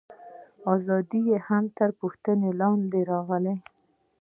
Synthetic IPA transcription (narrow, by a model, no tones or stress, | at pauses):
ɑzɑd̪ijehamt̪əɾpuxt̪ənelɑnd̪eɾɑɣəle